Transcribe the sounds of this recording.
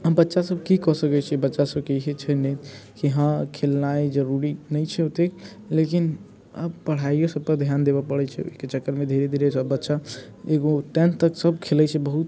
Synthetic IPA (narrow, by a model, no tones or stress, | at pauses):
ɦə̃bətːʃasəbʱkikɔsəkɛt͡ʃʰɛbətːʃasəbkeɦet͡ʃʰɛnet̪kiɦãkʰelnaed͡ʒəɾuɾinəjt͡ʃʰɛot̪e | lekin | ə̰bpəɽ̤aijosəb̚kəɾd̪ʱjand̪ebɔpəɽɛt͡ʃʰɛ̰o̰iket͡ʃəkːəɾmed̪ʱeɾed̪ʱiɾet͡ʃʰəbətːʃa | eɡoʈɛ̃nt̪əksəbkʰelɛt͡ʃʰɛbəɦut̪